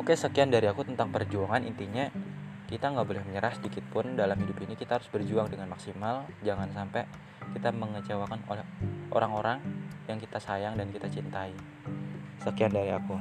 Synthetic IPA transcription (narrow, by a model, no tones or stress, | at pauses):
okesəkiandaɾiakut̪ənt̪aŋpərd͡ʒuaŋanḭnt̪iɲa | kit̪aŋɡaʔbolɛhməɲəɾasdikɪt̪̚pʊndalamhidupinikit̪ahɦaɾʊsbərd͡ʒuaŋdəŋanmaksimald͡ʒaŋansampɛ | kit̪aməŋət͡ʃawakano̰lɛhʔo̰ɾaŋoɾaŋjaŋkit̪asajaŋdankit̪at͡ʃint̪ai | səkiandaɾia̰ku